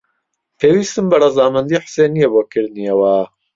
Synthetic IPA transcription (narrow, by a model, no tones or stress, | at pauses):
pʰeːwiːst̪ɨmbɐrɐzaːmɐnd̪iħseːnijeboːkʰɨɾd̪nijɛwa